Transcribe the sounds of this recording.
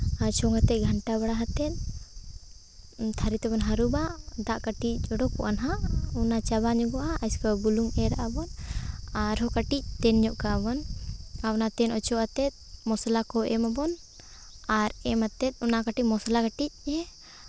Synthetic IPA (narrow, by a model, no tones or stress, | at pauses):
at͡ʃɔŋat̪ɛc̪̚ɡʱaɳʈaβaɽaɦat̪ɛt̪̚ | t̪ʰaɾit̪ɛbɔnɦaɾubaʔd̪aʔkaʈic̚ˀd͡ʒɔɽɔpɔʔanɦaʔɔnat͡ʃaβaɲɔɡɔʔaːjskabuluŋɛɾaʔabɔnaɾɦɔkaʈic̚t̪ɛnɲɔʔkabɔnawnat̪ɛnɔt͡ʃɔʔat̪ɛt̪̚mɔslakɔʔɛmabɔn | aɾɛmat̪ɛt̪̚ˀɔnakaʈicmɔslakaʈic̚ɛ